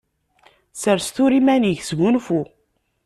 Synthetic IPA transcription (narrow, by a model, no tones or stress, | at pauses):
səɾst̪uɾimæniçzmunfu